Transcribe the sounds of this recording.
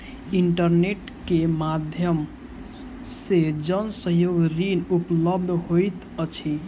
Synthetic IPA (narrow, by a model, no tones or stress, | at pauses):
iɳʈəɾneʈ | kemad̪ʱjəm | sed͡ʒənsəjoɡɾinupləb̚d̪ʱɦojt̪ | ət͡ʃʰi